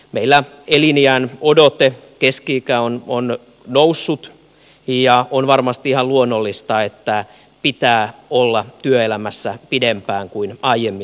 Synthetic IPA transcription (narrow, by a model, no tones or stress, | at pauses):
meilːæ | eliniæːnodot̪ekeskiːkæonon | nousːut̪ | jɑonʋɑrmɑst̪iihɑlluonːolːist̪ɑet̪ːæ | pit̪æːolːɑt̪yøelæmæsːæpidempæːŋkuinɑijemːi